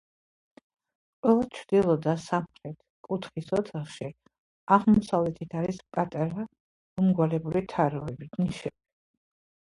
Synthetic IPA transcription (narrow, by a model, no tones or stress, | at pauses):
qʼwɛlˠat͡ʃʰɾd̪ilˠɔd̪asamχɾɛt̪ʰ | kʼut̪ʰχisɔt̪sʰaχʃi | aʁmɔsavlɛt̪ʰit̪ʰaɾispʼat̪ʼaɾa | umɡwalɛbulit̪ʰaɾɔɛbit̪ʰniʃɛb̥i